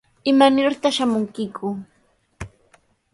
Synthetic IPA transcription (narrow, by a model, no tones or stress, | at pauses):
ɪmanɪɾt̪aχʃamʊŋkɪkʰʊ